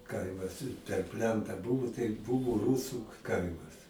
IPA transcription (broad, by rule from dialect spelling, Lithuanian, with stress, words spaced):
ˈkɐɪmɐs pʲɛr ˈpʲlʲɛntɑː ˈbʊʋoː tɐɪ ˈbʊʋoː ˈruːsʊ ˈkɐɪmɐs